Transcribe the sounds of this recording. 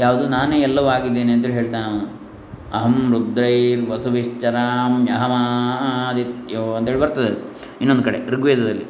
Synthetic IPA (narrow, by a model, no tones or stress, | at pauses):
jaːʋud̪unaːneːɛlːɐʋaːɡid̪ːeːniɐnt̪ɐɾeɦeːɭt̪anaːnu | ɐɦɐmɾud̪ɾɐjɾʋɐsuʋiʂt͡ʃɐɾaːmjɐɦɐmad̪etːneːɭibɐɾt̪ad̪e | inːond̪ukɐɽeɾuɡʋeːd̪ɐd̪ɐlːḭ